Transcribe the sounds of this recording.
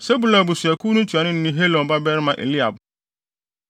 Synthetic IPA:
se˦bu˨la˨bʊ˨sɥæ˨ku˦nũ˦tʰu˨a˨nɪ̃˦n̩˦nĩ˦ɦe˦lɔ̃˨n˨ba˦bɛ˦ɾɪ˦mã˨ʔḛ˨li˦a˨b

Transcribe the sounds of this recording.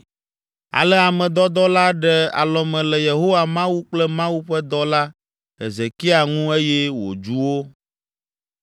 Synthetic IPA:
a̰˨lɛ˦a˨mɛ̃˨d̪ɔ˦d̪ɔ˦la˦ɖɛ˨a̰˨lɔ˨mɛ̃˨lɛ˨je˨ɦo˦wa˨mã˦wu˦k͡plɛ˦mã˦wu˦ɸɛ˦d̪ɔ˦la˦ | ɦḛ˨ze˨ki˦a˨ŋũ˦e˦jɛ˦wo̰˨d͡ʒu˦wo˦

